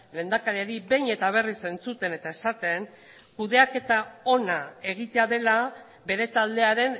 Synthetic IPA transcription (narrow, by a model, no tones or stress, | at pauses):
le̞ːnd̪akaɾiaɾibe̞jɲe̞t̪aβ̞e̞rise̞nt͡sut̪e̞ne̞t̪ae̞sat̪e̞ŋ | kuðe̞ake̞t̪ao̞nae̞ɣ̞it̪e̞aðe̞la | be̞ɾe̞t̪ald̪e̞aɾe̞n